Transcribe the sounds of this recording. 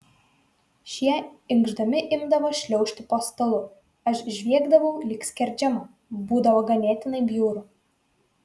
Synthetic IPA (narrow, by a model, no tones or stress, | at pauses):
ʃʲiɛɪŋɡʒd̪ɐmʲɪʔɪmd̪ɐʋoʃʲlʲɛʊʃʲt̪ʲɪpost̪ɐlˠʊ | ɐʃʒʲʋʲiɛɡd̪ɐʋɐʊlʲiːksʲkʲɛɾʲd͡ʒʲɛmɐ | buːd̪ɐʋoɡɐnʲæːt̪ʲɪnɐɪbʲjuːɾʊ